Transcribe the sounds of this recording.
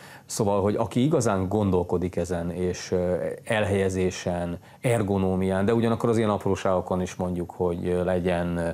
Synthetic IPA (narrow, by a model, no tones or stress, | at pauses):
soːvɒlɦo̞ɟɒkiiɡɒzaːŋɡo̞nd̪o̞lko̞d̪ikɛzɛneːʃ | ɛlɦɛjɛzeːʃɛn | ɛrɡo̞noːmijaːnd̪ɛuɟɒnɒkːoɾɒzenɒproːʃaːɡo̞ko̞niʃmo̞ɲɟukho̞ɟlɛɟɛn